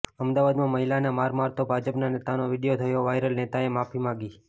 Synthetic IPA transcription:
əmd̪aʋad̪mãməɦilanamaɾmaɾt̪obʱad͡ʒəpnanet̪anoʋɪɽijot̪ʰəjõʋajɾəlnet̪aemapʰimãɡi

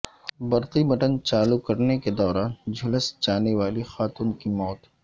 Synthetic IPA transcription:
bɐɾqibɐʈə̃nt͡ʃaːlukɐɾneked̪ɔːɾaːnd͡ʒʱʊləsd͡ʒaːneʋaːlixaːt̪uːnkimɔːt̪

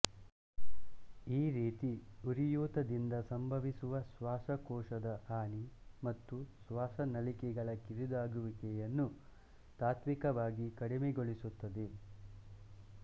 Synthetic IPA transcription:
iːɾiːt̪iuɾijuːt̪ɐd̪ind̪ɐsɐmbʱɐʋisuʋɐsʋaːsɐkɔːʂɐd̪ɐaːnimɐt̪ːusʋaːsɐnɐlikɛɡɐɭɐkiɾid̪aːɡuʋikɛjɐnːu | t̪aːt̪mikɐʋaːɡikɐɽimɛɡoɭisut̪ːɐd̪e̞

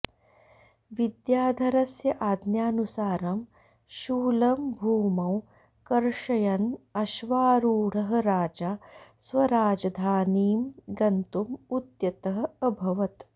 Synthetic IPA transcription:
ʋid̪jaːd̪ʱɐɾɐsjɐʔaːd̪njaːnusaːɾɐm | ʃuːlɐmbʱuːmɐw | kɐɾʂɐjɐnɐʃʋaːɾuːɽ̤ɐɦɐ̆ɾaːd͡ʒaːsʋɐɾaːd͡ʒɐd̪ʱaːniːmɡɐnt̪umut̪jɐt̪ɐɦɐ̆ɐbʱɐʋɐt̪

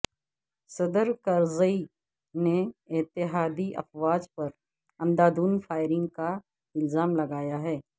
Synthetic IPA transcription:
sɐd̪əɾkɐɾzəi | neɪt̪ɪɦaːd̪iʔɐ̰fwaːd͡ʒpɐɾ | ɐ̃nd̪aːd̪uːnfaːɪɾɪ̃ŋɡka | ɪlzaːmlɐɡaːjaɦɛː

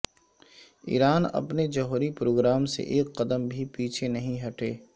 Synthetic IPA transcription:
ḭːɾaːnɐ̰pned͡ʒɐɦuːɾipɾoːɡɾaːmsḛʔːkːɐd̪əmbʱipiːt͡ʃʰenɐɦĩɦɐʈeː

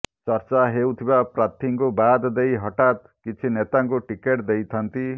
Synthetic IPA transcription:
t͡sʌɾt͡ʃaɦewt̪ʰibapɾat̪ʰiŋkobad̪d̪ejɦʌʈat̪kit͡sʰinet̪aŋkoʈikeʈd̪ejt̪ʰant̪i

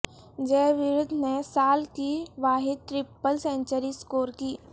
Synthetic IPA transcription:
d͡ʒɛːʋɪɾʊd̪ʱnesaːlkiʋaːɦɪd̪̚t̪ɾɪpːəlsẽnt͡ʃəɾiskoːɾkiː

